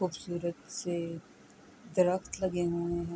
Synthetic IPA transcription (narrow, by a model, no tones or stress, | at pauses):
xuːbsuːɾət̪se | d̪əɾəxt̪lɐɡeɦõːẽɦɛ̃